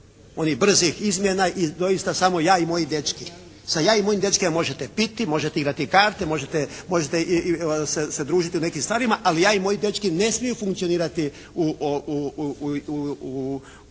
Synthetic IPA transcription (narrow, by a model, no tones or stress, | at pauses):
o̞nibr̩zixizmjenaʔid̪o̞jist̪asamo̞jaːimo̞jid̪e̞t͡ʃki | sajaːimo̞jimd̪et͡ʃkemmo̞ʒet̪epit̪imo̞ʒet̪eiɡɾat̪ikaːɾt̪emo̞ʒet̪emo̞ʒet̪esesed̪ɾuːʒit̪iune̞kimst̪ʋaːɾimaʔalijaːimo̞jid̪je̞t͡ʃkine̞smijufuŋkt̪sio̞niːɾat̪i | uʔou | u